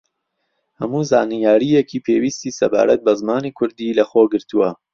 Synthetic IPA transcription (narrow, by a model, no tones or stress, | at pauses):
hɐmuːza̰ːnijaːɾijekʰiːpʰeːwiːst̪iːsɐba̰ːɾɐt̪̚bɐzmaːnikʰʊɾd̪iːlɐxoːɡɨɾt̪uwɐ